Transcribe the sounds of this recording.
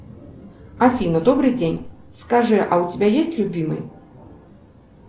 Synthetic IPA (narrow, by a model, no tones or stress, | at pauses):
afʲinɐd̪ɔbɾɨd͡zʲenʲskaʐɨʔɐwt͡sʲabʲajesʲt͡sʲlʲubʲimɨ̰j